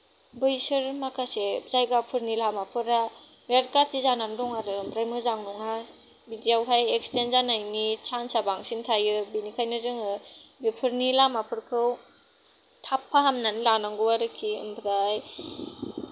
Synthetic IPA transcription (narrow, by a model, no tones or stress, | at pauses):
bɯjsɯɾmakʰasezajɡapʰɯɾnilamapʰɯɾa | jeɾkaɾsizanandɔŋaɾɯɯmbʰɾajmɯzaŋnuŋa | bidiawɦajekstenzanajnit͡ʃʰansabaŋsintʰajɯbinikʰajnɯzɯŋɯbipʰɯɾnilamapʰɯɾkʰɯw | tʰapʰːaɦamnanilanaŋɡɯwaɾɯkʰiɯ̰mbʰɾaj